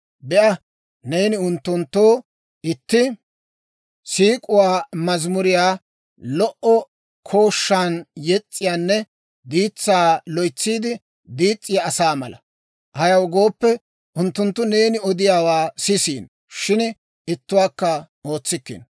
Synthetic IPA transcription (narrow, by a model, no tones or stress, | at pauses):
bɛʔɐ | ne̞ːnɪʊnt̪ːʊnt̪ːoː | ɪt̪ːɪ | siːkʼʊwaːmɐzmʊɾɪjaː | lɔʔɔ | kʰo̞ːʃːaːnjɛt͡sʼːɪjaːnːɛ | d̪iːt͡sːaːlɔjt͡sːiːd̪ɪ | d̪iːt͡sʼːɪjaːsaːmɐ̰lɐ̰ | hɐjɐwɡo̞ːpːɛ | ʔʊnt̪ːʊnt̪ːʊne̞ːnɪɔd̪ɪjaːwaːsɪsḭːn | ʃɪn | ɪt̪ːʊwaːkːɐ | o̞ːt͡sːɪkːɪ̰n